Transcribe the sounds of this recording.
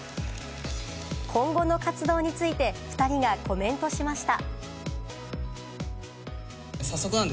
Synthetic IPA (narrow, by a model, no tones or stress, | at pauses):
kʰõ̞ŋɡo̞no̞kat͡sɨd̪o̞ːɲ̟it͡sɨit̪e̞ɸɯ̟̥t̪aɾʲiɡako̞mẽ̞nt̪o̞ɕimaɕi̥t̪a | sasːokɯ̟nãnd̪